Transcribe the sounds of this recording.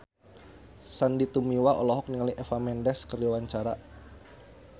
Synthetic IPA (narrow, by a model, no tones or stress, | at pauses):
sandit̪umiwaʔɔ̰lɔɦɔk̚niŋaliʔɛfamɛndɛskərawaɲt͡ʃaɾa